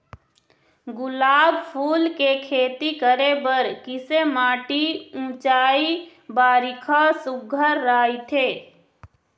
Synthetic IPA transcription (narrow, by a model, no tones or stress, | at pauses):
ɡʊlaːbpʰuːlkekʰeːt̪ikəɾebəɾkɪsemaːʈiũːt͡ʃaːi | baːɾɪkʰasʊɡʱəɾːaːit̪ʰeː